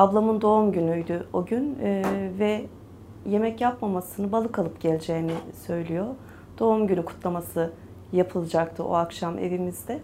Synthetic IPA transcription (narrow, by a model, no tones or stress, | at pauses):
ablˠamɯnd̪o̞umɟynyjd̪yoɟynvɛ | je̞mɛcjapmamasɯnɯbalˠɯkalˠɯpɟ̥ɛlʲd͡ʒɛjinisø̞jlʲijo | d̪̥o̞umɟynykʰu̥t̪ʰlˠamasɯ | japʰɯlˠɯd͡ʒakt̪ʰɯʔo̞̰akʃamḛvimizd̪ɛ